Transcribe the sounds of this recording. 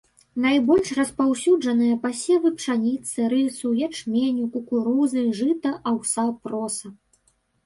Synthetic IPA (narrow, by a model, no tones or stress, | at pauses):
najbɔlʲʂrɐspawsʲud͡ʐɐnɨjɐpasʲɛvɨpʂanʲit̪sɨɾɨsujat͡ʂmʲenʲukukuɾuzɨʐɨt̪ɐʔawsapɾɔsɐ